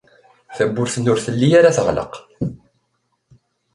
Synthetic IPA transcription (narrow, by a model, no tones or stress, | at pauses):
θæbːʊɾθənːʊɾθəlːijaɾaθəʁlə̰q